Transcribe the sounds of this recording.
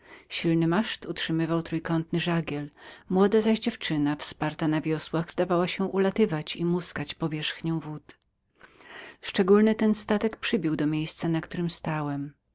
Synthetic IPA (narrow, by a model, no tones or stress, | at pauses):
ɕilnɘmaʂt̪utʂɘmɘvawt̪ɾujkɔnt̪nɘʐaɡʲɛlmwɔd̪azaʑd͡ʑɛft͡ʂɘnafspaɾt̪anavʲjɔswaɣzd̪avawaɕɛʔulat̪ɘvat͡ɕimuskat͡ɕpɔvʲjɛʂxɲɛ̃w̃vut̪ | ʂt͡ʂɛɡulnɘt̪ɛnst̪at̪ɛkpʂɘbʲiwd̪ɔmʲjejst̪sanakt̪uɾɘmst̪awɛm